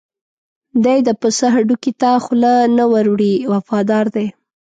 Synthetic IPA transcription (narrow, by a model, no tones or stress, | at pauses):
d̪ajd̪əpəsəɦaɖukit̪axʊlanawaɾwɽiwafɑd̪ɑɾd̪e